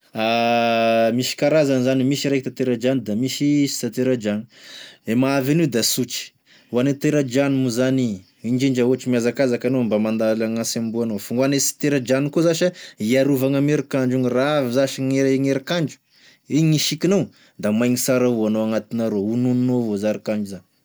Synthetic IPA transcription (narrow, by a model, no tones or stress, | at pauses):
a | miʃi̥kaɾazanizanimiʃiɾek̚t̪at̪eɾad͡ʒanid̪amiʃisi̥t̪at̪eɾad͡ʒaniemaavanid̪asut͡ʃi̥ | wanet̪eɾad͡ʒanimuzani | ind͡ʒiɳd͡ʒauaʈ͡ʂimiazakazakanombamand̪alaŋasambuanofuŋɡanesi̥t̪eɾad͡ʒanikozaʃaiaɾuvaŋameɾikaɳd͡ʒuniraavizaʃiŋeŋeɾakaɳd͡ʒu̥ | iɲiʃikinow | d̪amajŋisaɾauanoaŋat̪inaɾoununinovozaɾikaɳd͡ʒuzani̥